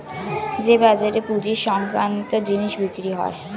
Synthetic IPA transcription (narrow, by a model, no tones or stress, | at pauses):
d͡ʑebad͡ʑaɾepud͡ʑiʃɔmpɾant̪od͡ʑiniʃbikɾiɦɔ̰e